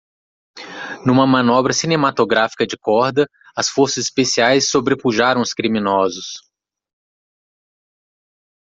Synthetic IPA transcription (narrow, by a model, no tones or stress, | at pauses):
nũmɐmɐ̃nɔbɾɐsinẽmat̪oɡɾafi̥kɐd͡ʒɪkɔɾd̪ɐ | ɐsfoɾsɐzɪspesiajsːobɾepuʒaɾɐ̃w̃ʊskɾimĩnɔzʊs